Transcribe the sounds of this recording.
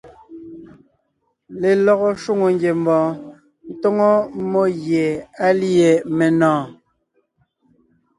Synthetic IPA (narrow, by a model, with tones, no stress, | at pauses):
le˨lɔ˨ɣɔ˦ʃu˦ŋo˨ŋɡje˨m˦bɔ̃ː˨ | n̩˦tɔ˦ŋɔ˦mo˦ɣje˨a˦li˦e˨me˨nɔ̃ː˨